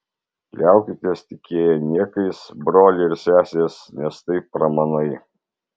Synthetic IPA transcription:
lʲæˑʊkʲɪt̪ʲiːst̪ʲɪkʲeːjɛnʲiɛkɐɪsbɾoːlʲɪɪɾsʲæːsʲeːsnʲɛst̪ɐɪpːɾɐmɐnɐɪ

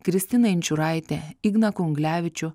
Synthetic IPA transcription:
kɾʲɪsʲt̪ʲɪnɐɪnʲt͡ʃʲʊɾɑˑɪt̪ʲɛiɡnɐkʊʊŋɡlʲæːʋʲɪt͡ʃʲʊ

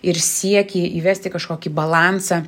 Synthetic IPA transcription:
ɪɾsʲiɛkʲɪiːʋʲæsʲt̪ʲɪkɐʃkoːkʲibɐlˠɑːnsɑ

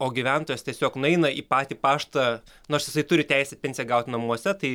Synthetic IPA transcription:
oːɡʲiʋʲænt̪oːjɛst̪ʲiɛsʲoːknɛɪnɐiːpɑːt̪ʲiːpɑːʃt̪ɐ | nʊɐʃjɪsɐɪt̪ʊɾʲɪt̪ʲæɪsʲɛpʲɛnʲsʲɪjɛɡɐʊt̪ʲnɐmuɔsʲɛt̪ɐɪ

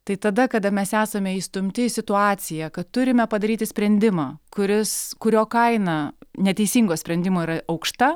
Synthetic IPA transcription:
t̪ɐɪt̪ɐd̪ɐkɐd̪ɐmʲɛsæːsɐmʲɛiːst̪ʊmʲt̪ʲɪsʲɪt̪ʊɑːsʲɪjɛkɐt̪t̪ʊɾʲɪmʲɛpɐd̪ɐɾʲiːt̪ʲɪsʲpʲɾʲɛnʲd̪ʲɪmɑːkʊɾʲɪskʊɾʲoːkɐɪnɐnʲɛt̪ʲɛɪsʲiːŋɡoːsʲpʲɾʲɛnʲd̪ʲɪmoːiːɾɐɐʊkʃt̪ɐ

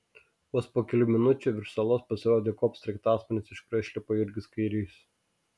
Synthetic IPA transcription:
ɔːspoːkʲɛlʲʊmʲɪnʊt͡ʃʲʊˑʋʲɪɾsɐlˠoːspɐsʲɪɾoːd̪ʲeːkɔːpst̪ɾʲɛɪkt̪ɑːsmɐnʲɪsɪʃkɾɐʃʲlʲɪpoːɪɾʲɡʲɪskɐɪɾʲiːs

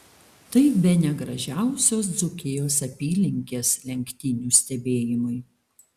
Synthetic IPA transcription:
t̪ɐɪbʲɛnʲɛɡɾɐʒʲæˑʊsʲoːs̬d̪zʊkʲejoːsɐpʲiːlʲɪŋʲkʲeːslʲɛŋʲkʲt̪ʲɪnʲuːsʲt̪ʲɛbʲeːjɪmʊɪ

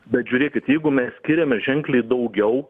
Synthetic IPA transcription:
bʲɛt̪̚ʒʲʊːɾʲeːkʲɪt̪jɛɪɡʊmʲɛssʲkʲɪɾʲɛmʲɛʒʲɛŋklʲɛɪd̪ɐʊɡʲɛʊ

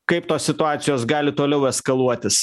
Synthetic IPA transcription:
kɐɪpt̪oːsʲsʲɪt̪ʊɑːt̪sʲɪjoːsɡɑːlʲɪt̪oːlʲɛʊɛskɐlˠuɔt̪ʲɪs

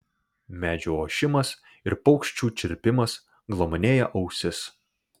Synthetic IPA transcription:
mʲæːd͡ʒʲuːoːʃʲɪmɐs | ɪɾpɒʊkʃʲt͡ʃʲuːt͡ʃʲɪɾʲpʲɪmɐs | ɡlˠɔmɔnʲeːjɛʔɐʊsʲɪs

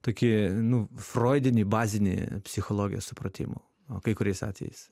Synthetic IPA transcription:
t̪oːkʲɪnʊfroːɪd̪ʲɪnʲɪbɑːzʲɪnʲɪ̰pʲsʲɪxolˠoːɡʲɪjo̰ssʊpɾɐt̪ʲɪ̰mo̰ː | oːkɐɪkʊɾʲɛɪsɑ̰ːt̪ʲʋʲɛ̰jɛ̰s

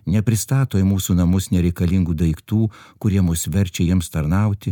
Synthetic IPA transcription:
nʲɛpʲɾʲɪst̪ɑːt̪oːjmuːsuːnɐmʊsnʲɛɾʲɛɪkɐlʲiŋɡuːd̪ɐɪkt̪uːkʊɾʲiɛmʊsʲʋʲɛɾʲt͡ʃʲɛjiɛmst̪ɐɾnɐʊt̪ʲɪ

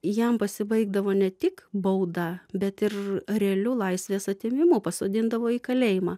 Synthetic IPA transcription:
jɛmpɐsʲɪbɐɪɡ̚d̪ɐʋoːnʲɛt̪ʲɪkbɐʊd̪ɐbʲɛt̪ɪrrʲɛɐlʲʊlˠɐɪsʲʋʲeːsɐt̪ʲeːmʲɪmʊpɐsoːd̪ʲɪnd̪ɐʋoːiːkɐlʲeːjɪmɑː

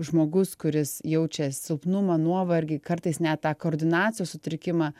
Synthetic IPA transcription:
ʒmoːɡʊskʊɾʲɪsjɛʊt͡ʃʲɛsʲɪlˠpnʊmɐnuɔʋɐɾʲɡʲɪːkɐɾt̪ɐɪsnʲæt̪t̪ːɑːkoːɾʲd̪ʲɪnɑːt͡ssʲɪjoːsʊt̪ʲɾʲɪkʲɪmɑː

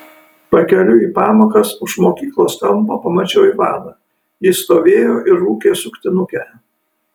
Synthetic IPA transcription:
pɐkʲɛlʲʊiːpɑːmoːkɐsʊʃmoːkʲiːklˠoːst̪ɐmˑpopɐmɐt͡ʃʲɛːiːʋɑ̰ːd̪ɑː | jɪst̪oːʋʲeːjoːʔɪɾːuːkʲeːsʊkʲt̪ʲɪnʊkʲɛ

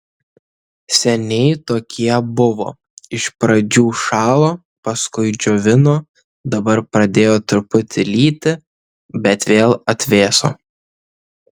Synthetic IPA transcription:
sʲɛnʲɛɪt̪oːkʲiɛbʊʋo̰ː | ɪʃpɾɐd͡ʒʲuːʃɑːlˠoː | pɐskʊɪd͡ʒʲɔʋʲɪnoː | d̪ɐbɐɾpɾɐd̪ʲeːjoːt̪ʊɾpʊt̪ʲɪlʲiːt̪ʲɪ | bʲɛt̪ʋʲeːlˠɐt̪ʲʋʲeːso̰ː

